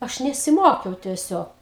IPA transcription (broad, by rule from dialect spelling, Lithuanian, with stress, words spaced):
ˈɐʃ nʲɛsʲɪˈmoːkʲɛʊ tʲiɛˈsʲoːk